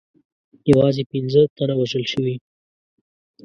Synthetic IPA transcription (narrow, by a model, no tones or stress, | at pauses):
jawɑzepinzət̪anawaʒəlʃəwi